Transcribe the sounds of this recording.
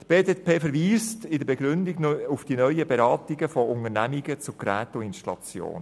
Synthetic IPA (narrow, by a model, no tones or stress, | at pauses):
t̪b̥eːdetpʰeːfəɾʋiːstɪdəbɛɡɾʏndɪɡnufd̥inœʏəbeɾɑːtɪɡəfɔʊŋənæmiɡət͡sʊkɾæːtʊɪnʃtlɑ̰t͡sjo̰ːn